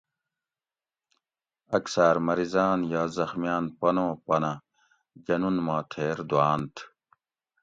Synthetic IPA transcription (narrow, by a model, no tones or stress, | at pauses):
ɐksaːɾmɐɾizaːnjaːzɐxmjaːnpɐnõːpɐnã | d͡ʑɐnunmãːt̪ʰeːɾd̪uaːnt̪ʰ